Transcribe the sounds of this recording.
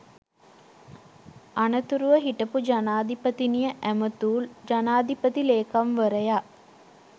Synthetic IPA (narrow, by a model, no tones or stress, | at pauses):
anət̪uɾuʋəɦiʈəpud͡ʒanaːd̪ipət̪inijəʔæmət̪uːld͡ʒanaːd̪ʱipət̪ileːkamʋəɾəja